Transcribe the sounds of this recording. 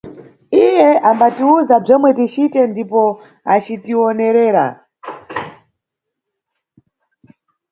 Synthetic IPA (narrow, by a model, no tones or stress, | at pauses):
ijɛambatiuzab͡ʐɔmwɛtit͡ʃitɛndipɔ | at͡ʃitiɔnɛɾɛːɾa̰